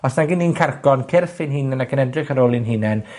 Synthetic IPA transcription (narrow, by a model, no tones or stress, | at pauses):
ɔsnaɡininkʰarɡɔnkʰɪrθɪnhiːnɛnaɡənɛdrɪχaɾolˠɪnɦiːnɛn